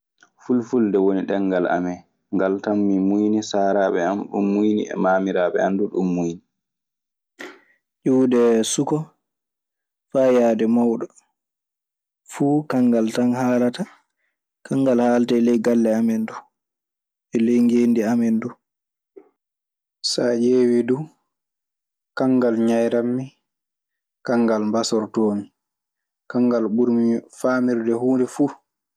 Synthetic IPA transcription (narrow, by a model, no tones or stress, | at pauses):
fulfuldɛwoniɗɛŋɡala̰mɛ | ŋɡaltanːimujnisaːɾaːɓɛamɗṵmːujnḭɛ̰maːmiɾaɓɛ̰anduɗumːujni | ʔuwdɛsukɔ | faːjaːdɛmawɗɔ | fuːkaŋɡaltanhaːlata | kaŋɡalhaːltaɛlɛjɡalːɛamɛndu | ɛlɛjŋɡeːndiamɛndu | sad͡ʒeːwidu | kaŋɡalɲajɾamːi | kaŋɡalmbasɔɾtoːmi | kaŋɡalɓuɾmifaːmiɾdɛhuːndɛfuː